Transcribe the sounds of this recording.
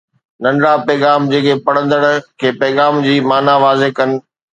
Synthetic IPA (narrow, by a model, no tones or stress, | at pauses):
nɐ̃nɽapɛːɣaːmd͡ʑeːkʰepɐɽ̤̃ə̃nd̪əɽ̃kʰeːpɐːɣaːmd͡ʑiːmaːnaʋaːzekɐnɪ̆